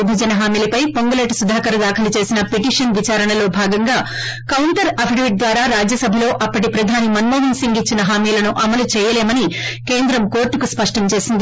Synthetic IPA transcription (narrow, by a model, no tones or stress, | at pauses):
bʱɐd͡ʒɐnɐɦaːmiːlɐpɐjpoŋɡɐleʈsud̪ʱaːkɐɾɐd̪aːkʰɐlut͡ʃe̞ːsinɐpeʈiːʂɐnʋit͡ʃaːɾɐɳɐlo̞ːbʱaːɡɐŋɡaː | kɐwɳʈɐɾɐpʰiɖʋiʈ̚d̪ʋaːɾaːɾaːd͡ʒjɐsɐbʱɐlo̞ːʔɐpːɐʈipɾɐd̪ʱaːnimɐnmoːɦinsiŋɡit͡ʃːinɐɦaːmiːlɐnuʔɐmɐlut͡ʃɛːjɐleːmɐnike̞ːnd̪ɾɐmko̞ːɾʈːukuspɐʂʈɐmt͡ʃe̞ːsind̪i